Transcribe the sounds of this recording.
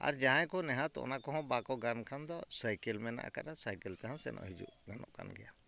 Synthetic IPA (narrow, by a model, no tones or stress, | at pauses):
a̰ɾd͡ʒaɦãjkɔnɛɦãt̪ɔ̰ʔnakɔɦɔ̃bakɔɡankʰand̪ɔsajkɛlmɛna̰ʔa̰kaɗasajkɛlt̪ɛɦãw̃sɛ̰nʔɔ̰ʔɦid͡ʒṵʔɡanɔ̰ʔkʰa̰nɡɛja